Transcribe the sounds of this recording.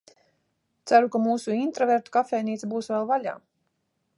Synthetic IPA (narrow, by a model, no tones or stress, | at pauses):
t̪sæɾukamuːsuint̪ɾɔveɾt̪u̥kafɛːniːt̪buːsvɛlˠvalʲa̰ː